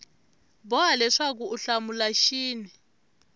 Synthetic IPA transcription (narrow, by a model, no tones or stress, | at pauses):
bɔalɛʂak̬uuɬamulaʃiːni